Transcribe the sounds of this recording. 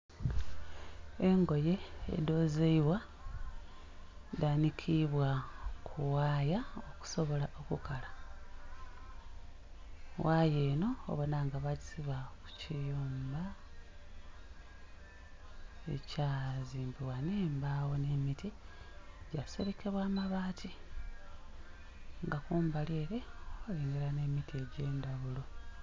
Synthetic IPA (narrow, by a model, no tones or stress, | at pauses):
e̞ŋɡo̞je̞ḛdo̞ːzeiβwa | daːnikʰiβwakʰuwaːjaoku̥so̞βo̞laʔo̞kukala | waːje̞ːno̞̰ːβonaːŋɡaβasiβaku̥cijuːmba | ḛcaːziːmbiwaneːmbawo̞ne̞miti | ɟaise̞βekeβwaːmaβaːtʰi | ŋɡakuːmbaleːɾe̞owaleːŋɡeɾanemitie̞ɟe̞ːndaβulo̞